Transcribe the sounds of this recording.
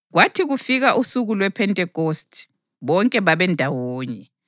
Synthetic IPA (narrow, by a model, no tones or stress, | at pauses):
ɣwatʰiɣufiɣaʔusuɣulwɛpʰɛntʼɛkostʼi̥ | βɔŋkʼɛβaβɛndʱawoːɲɛ